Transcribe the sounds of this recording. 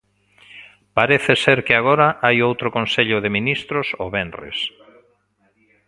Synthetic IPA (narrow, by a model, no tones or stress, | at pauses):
paɾeθɪseɾkɪaɣ̞oɾaʔajowt̪ɾʊkõnseʎʊðɪminist̪ɾʊsoβenrḛs